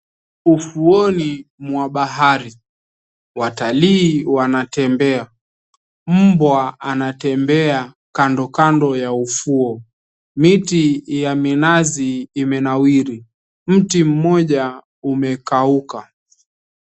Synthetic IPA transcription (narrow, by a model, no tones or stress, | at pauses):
ufuɔnimwaɓaɦaɾi | wataliːwanatɛmbɛa | m̩bwaanatɛmbɛa | kandɔkandɔjaufuɔ | mitijaminaziːmɛnawiɾi | m̩tim̩mɔʄa | umɛkauka